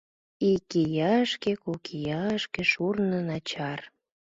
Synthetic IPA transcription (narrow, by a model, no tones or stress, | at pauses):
ikijɑʃkekokʰijɑəʃkeʃurnənɑt͡ɕɑr